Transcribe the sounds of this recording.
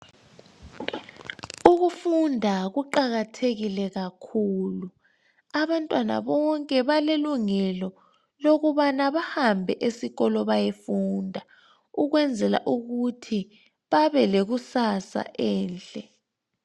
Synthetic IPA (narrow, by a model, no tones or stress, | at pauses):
uɣufundʱaɣuǃaɣatʰeɣilɛɣakʰuːlu | aβantʼwana̰βɔŋkʼɛβaleluŋɛlɔ | loɣuβanaβahambʱɛʔesiɣɔlɔβajefundʱa | uɣwɛnd͡zʱɛla̰ʔuɣutʰi | βaβɛleɣusasa̰ʔɛːnt͡ɬʼɛ